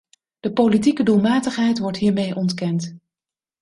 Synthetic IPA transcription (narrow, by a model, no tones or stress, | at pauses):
d̥əpowlitikədulˠmaːtəχɦɛjtʋɔɹtɦiːɹmejʔɔntkɛnt